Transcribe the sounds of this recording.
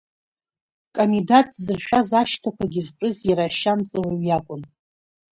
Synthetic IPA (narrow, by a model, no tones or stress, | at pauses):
kʼomidatʼzɨrʃᶣazaʃtʰakʷʰaɡʲizpʼɨziɾaʃant͡sʼɨwaɥjakʷʼʊn